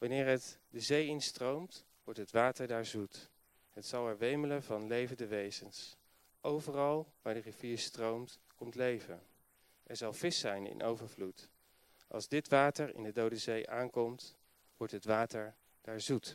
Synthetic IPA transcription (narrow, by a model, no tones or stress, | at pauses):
ʋɑnɪːɹɦətdəzejɪnstrowmt | ʋɔɹtɦətʋaːtəɹdaːɹzut | ɦətsɑlˠɛɹʋejmələvɑnlejvəndəʋejzəns | ʔowvərɑlˠʋaːɹdəriv̥iːɹstrowmt | kɔmtlejvən | ʔɛɹzɑlˠv̥ɪsɛjnɪ̰nʔo̰wvəɹvlut | ʔɑ̰lˠzdɪtʋaːtəɹɪ̰ndədowdəzejʔaːŋkɔmt | ʋɔɹtɦətʋaːtəɹ | d̥aːɹzut